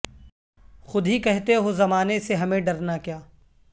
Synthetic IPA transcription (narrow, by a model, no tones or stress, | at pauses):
xʊd̪ʱɦikɛɦt̪eɦozɐmaːneseɦɐmẽɖɐɾnakjaː